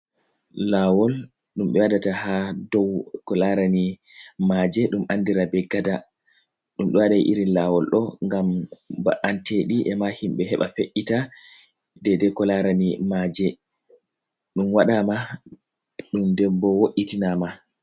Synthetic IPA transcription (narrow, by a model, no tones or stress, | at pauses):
laːwɔl | ɗumɓɛwadatahadɔwkɔlaɾani | mad͡ʒɛɗumʔandiɾabɛɡada | ɗumɗɔwaɗajʔiɾinlawɔlɗɔŋɡamba̰ʔanteɗiʔɛmahimɓɛɦɛɓa̰feʔːita | dɛdɛkɔlaɾanimad͡ʒɛ | ɗumwaɗama | ɗumdɛbɔwoʔːitinama